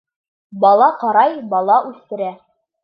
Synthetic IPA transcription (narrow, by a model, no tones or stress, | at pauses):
bɑlˠɑqɑɾɑjbɑlˠɑʔʉθt̪ɘ̆ɾæ